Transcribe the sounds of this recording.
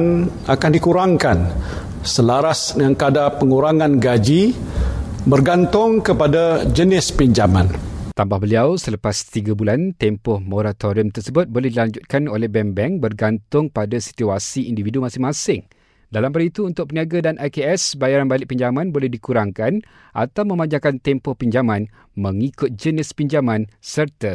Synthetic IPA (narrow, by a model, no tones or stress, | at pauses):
n | akandikuɾaŋkan | səlaɾasŋaŋkadapəŋuɾaŋãnɡad͡ʒi | bərɡant̪ʊŋkəpadad͡ʒənɪspiɲd͡ʒamã̰nt̪ambahbəliawsələpast̪iɡabulant̪ɛmpɔhmoɾat̪oɾiəmt̪ərsəbʊt̪̚bolɛhdilaɲd͡ʒut̪̚kanolɛhbɛmbɛŋbərɡant̪ʊŋpadasi̥t̪uasiindividumasɪŋmãsɪŋ | dalambalit̪uːnt̪ʊk̚pəniaɡadanajkeɛsbajaɾanbalɪʔ̚piɲd͡ʒamãnbolɛhdikuɾaŋkan | ʔa̰t̪awmə̃mãɲd͡ʒakant̪ɛmpɔhpiɲd͡ʒamãn | mə̃ŋikʊt̪̚d͡ʒənɪspiɲd͡ʒamãnsərt̪a